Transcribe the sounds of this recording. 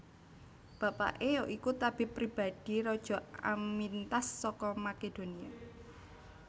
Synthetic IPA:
b̥ä̤pa̰ʔejoʔikut̪ab̥ɪ̤pɾib̥a̤d̪̥i̤ɾɔd̥ʒ̥ɔ̤a̰mmint̪asːɔkɔmaked̪̥o̤nia

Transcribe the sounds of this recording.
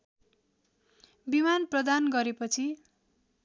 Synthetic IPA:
bimanprʌd̪anɡʌɾepʌt͡sʰi

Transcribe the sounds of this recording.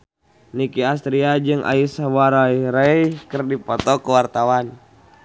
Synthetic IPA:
nikias̬t̪ɾiad͡ʒɨŋʔa̰isawaɾaiɾɛikɨrdipɔt̪ɔkuwart̪awan

